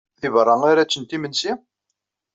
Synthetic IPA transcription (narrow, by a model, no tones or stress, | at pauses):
θivrˤːɑŋaɾæt͡sːənt̪imənsi